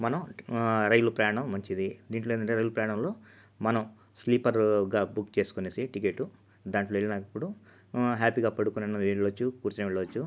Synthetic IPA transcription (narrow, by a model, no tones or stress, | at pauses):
mɐnɐmɾɐjlupɾajaːɳɐmːɐɲt͡ʃid̪id̪iːɳʈloenɐɳʈeɾɐjlupɾɐjaɳɐmlo̞ː | mɐnɐm | sliːpɐɾɡaːbukːt͡ʃe̞ːsu̥koneːsiʈik̬e̞ːʈːu | d̪aːɳʈloːeɭinɐkɐpːuɽu | ɦaːpiːɡaːpɐɽukunɐnuʋiɭːɐʋɐt͡ʃːukuːɾt͡ʃunɐʋiɭːɐʋɐt͡ʃːu